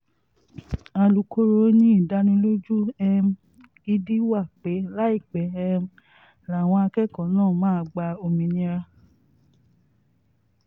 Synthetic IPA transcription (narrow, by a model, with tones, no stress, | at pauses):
a˧lu˨˦ko˦ɾo˦nĩ˦i˦˨da˦nĩ˧˦lo˦d͡ʒu˦ɛ˧m˦ | i˧di˦wa˦˨k͡pe˨˦la˦i˦˨k͡pɛ˨˦ɛ˧m˦ | la˨w̃ɔ̃˧a˧kɛ˦˨kɔ̃˨˦nãː˦˨mãː˦˧ɡ͡ba˧o˧mĩ˨˧nĩ˦ɾa˧